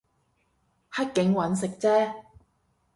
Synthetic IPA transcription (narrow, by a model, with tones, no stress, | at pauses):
hɐ˥t̚kɪ˨˥ŋwɐ˨˥nsɪ˨k̚t͡sɛː˥